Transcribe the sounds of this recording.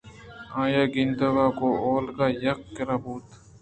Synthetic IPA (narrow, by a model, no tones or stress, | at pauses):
ãːjaːɡɪnd̪ɐɡaːkoːoːlkaːjɐq̚kɐɾaːbuːt̪